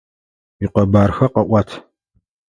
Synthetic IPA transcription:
iqɐbaːrxɐqɐʔʷɑtʰ

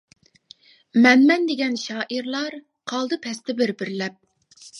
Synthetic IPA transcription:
mɛnmɛnd̪eɡʲɛnʃɑːʔiɾlˠɑɾ | qʰɑlˠd̪ɨpʰɛst̪ɪbɪɾbɪɾlɛp̚

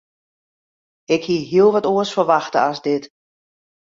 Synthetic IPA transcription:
ɪkhiəɦiəlˠʋɔtuəsfərʋaxtəasdɪt

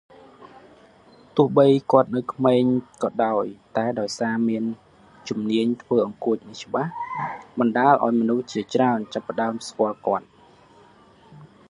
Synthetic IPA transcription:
t̪ʊ̆əhɓəjkŏət̪̚nɨwkʰmeːɲkɑːɗaɔjt̪aɛɗaɔjsaːmiən | t͡ɕumniəɲt̪ʰʋəːʔɑŋkʊəc̚nɨt͡ɕə̆ɓahɓɑnɗaːlʔa̰ɔjmɔnuht͡ɕiət͡ɕraənt͡ɕapːə̆ɗaəmskŏəlkŏət̪̚

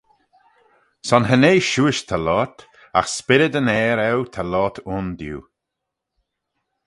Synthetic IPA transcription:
sɔnɦəneːʃuːɪʃt̪ʰalɔt̪ | a̰xspɪɾəd̪ənɛːɾɛwt̪ʰalɔt̪ʰʊnd̪jṵː

